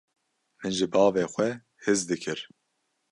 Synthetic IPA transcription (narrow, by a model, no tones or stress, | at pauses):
mɨnʒɨbɑːveːxʷɛ | hɪzd̪ɨkʰɨɾ